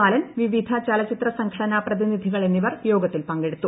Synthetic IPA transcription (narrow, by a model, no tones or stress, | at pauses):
aːlɐnʋiʋid̪ʱɐt͡ɕɐlɐt͡ɕit̪rɐsɐŋɡʰʱɐɽɐnaːprɐðinid̪ʱiɣɐɭe̞nːiʋɐrjo̞ːɡɐt̪ːilpɐŋɡeɽut̪ːu